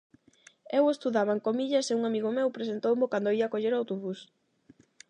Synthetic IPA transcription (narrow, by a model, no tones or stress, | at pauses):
ewest̪uðaβaŋkomiʎɐseuŋamiɣomewpɾesent̪owmokand̪oiakoʎeɾawt̪oβus